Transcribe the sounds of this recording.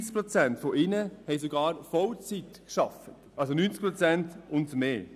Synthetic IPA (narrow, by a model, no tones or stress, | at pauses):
t͡sk̚pɾot͡sɛntfoʔɪnəhɛɪsoɡɑːɾfɔlt͡sitkʃɑfətʔɑlsonyːnt͡skpɾot͡sɛntʊntmeː